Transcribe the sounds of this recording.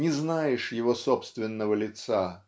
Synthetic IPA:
nʲɪznajɪʂjɪvosopst̪vʲɪnːəvəlʲɪt̪sa

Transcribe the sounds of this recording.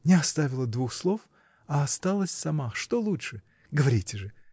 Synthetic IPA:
nʲɪɐst̪avʲɪlˠəd̪vuxslˠo̞f | ɐːst̪alˠəsʲsɐmaʂt̪olˠutʂɨ | ɡəvɐɾʲitʲɪʐɨ

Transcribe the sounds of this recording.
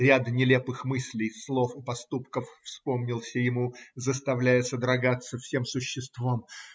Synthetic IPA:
ɾʲad̪nʲɪlʲe̞pɨxmɨsʲlʲɪjslˠo̞fɪpɐst̪upkəfːspo̞mnʲɪlˠsʲəjɪmuzəst̪ɐvlʲæjɪsəd̪ɾɐɡat̪sːəfsʲe̞msʊɕːɪst̪vom

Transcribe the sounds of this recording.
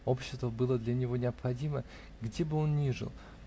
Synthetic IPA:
o̞pɕːɪ̥st̪vəbɨlˠəd̪lʲɐnʲɪvo̞nʲɪɐpxɐdʲimə | ɡdʲebɨo̞nnʲiʐɨ̰lˠ

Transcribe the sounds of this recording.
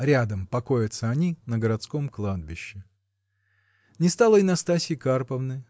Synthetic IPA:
ɾʲad̪əmpɐko̞jɪt̪səɐnʲinəɡəɾɐt̪skomklˠad̪̚bʲɪɕːɪ | nʲɪst̪alˠəɪnɐst̪asʲɪɪkarpəvnɨ

